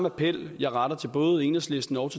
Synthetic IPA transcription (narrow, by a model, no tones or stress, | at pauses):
mæpʰel̰jɑ̈ɪʁɑ̈ɾ̥ɐt͡sʰe̝lb̥ɔ̽ːð̩ˠe̝ːnəsle̝sd̥n̩ɒʊt͡sʰe̝